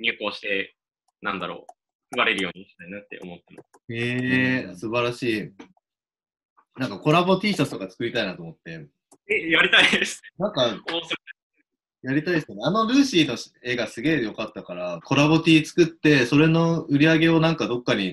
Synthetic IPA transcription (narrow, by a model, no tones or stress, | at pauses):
ɲ̟ɨːko̞ːɕi̥t̪e̞ | nã̰nd̪aɾo̰ː | kɯ̟βaɾe̞ɾɯ̟jo̞ːɲ̟iɕi̥t̪ainat̪ːḛomo̞t̪ːeno | esɨbaɾaɕiː | nãŋkako̞ɾabo̞t̪ʲiːsasɨ̥t̪o̞kat͡sɨ̥kɯ̟ɾʲit̪ainat̪omo̞t̪ːe̞ | ejaɾʲit̪aid̪esɨ̥nãŋkaosɨɾea | jaɾʲit̪aidsɨneano̞ɾɯ̟ːɕiːno̞e̞ːɡasɨɡe̞ːjo̞kat̪ːakaɾakʰo̞ɾaβo̞t̪ʲiːt͡sɨ̥kɯ̟t̪ːe̞so̞ɾe̞no̞ɯ̟ɾʲiaɡe̞o̞nãŋkad̪o̞kːaɲ̟i